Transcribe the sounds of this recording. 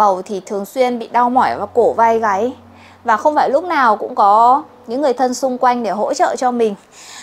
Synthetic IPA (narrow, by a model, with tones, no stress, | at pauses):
ə˨˩wt̪ʰi˨˩t̪ʰɨ˨˩əŋswi˧ənɓḭ˧˨ɗa˧wmɔ˧˩jvaː˨˩ko˧˩va˧jɣa˨˦j | vaː˨˩xə˧wŋ͡mfaː˧˩jlʊ˦˥k͡p̚naː˨˩wkʊ̰˧˥ŋ͡mkɔ˨˦ | ɲɨ̰˧˥ŋːɨ˨˩əjt̪ʰə˧nsʊ˧ŋ͡mkwa˧jŋ̟ɗe˧˩ɦo̰˧˥t͡ɕə̰ː˧˨t͡ɕɔ˧mï˨˩ŋ̟